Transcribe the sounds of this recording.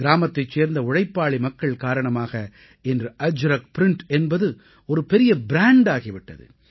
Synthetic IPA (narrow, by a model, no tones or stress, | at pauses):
ɪɾaːmɐt̪ːɐɪt͡ʃːeːɾnd̪ɐʊɻɐɪpːaːɭimɐkːɐɭkaːɾɐɳɐmaːɣɐ | ɛndrɯʔɐd͡ʒɾɐkpɪɾɪɳʈɛnbɐðɯ | ɔɾɯpɛɾɪjɐbɪɾaːɳɖaːɣɪʋɪʈːɐ̰ðɯ̰